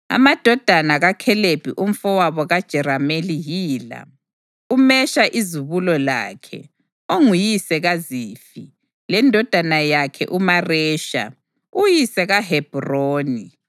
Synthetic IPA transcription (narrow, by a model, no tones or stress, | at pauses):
a̰mad̥ʱɔd̥ʱanaɣakʰɛleb̥ʱiʔum̩fɔwaβɔɣad̥ʒ̥ʱɛɾamelijiːla̰ | umɛʃaʔizuβulɔla̰ːkʰɛ̰ | oŋujisɛɣaziːfi | lɛndʱɔd̥ʱanajakʰɛ̰ʔumarɛːʃa̰ | ujisɛɣaɦɛb̥ʱroːni